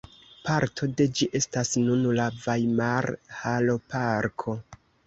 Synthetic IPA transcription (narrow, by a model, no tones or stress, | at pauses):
paɾtʰo̞de̞d͡ʒiʔe̞stasnunlavajmaɾhalo̞paɾkʰo̞